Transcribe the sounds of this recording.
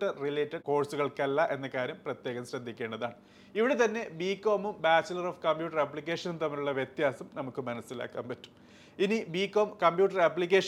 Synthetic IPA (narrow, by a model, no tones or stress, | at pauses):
ʈːɐrrileːtːɐɖko̞ːɽsuɣɐɭkɐlːɐʔe̞nːɐkaːɾjɐmprɐt̪jeːɣɐmɕɾɐd̪ʱːikʲːe̞ːɳɖɐðaːɳɨ | iʋiɽet̪ɐnːe̞biːkːo̞ːmumbaːt͡ɕːɐlɐroːfkɐmbjuːʈːɐrɐpːɭik̬ʲːe̞ːʂɐnumt̪ɐmːɐɾuɭːɐʋjet̪jaːsɐmnɐmukːɨmɐnɐsːila̰ːkːa̰ːmpɐtːu̥m | inibiːkːoːmkɐmbjuːʈːɐrɐpːlik̬ʲːe̞ːʂ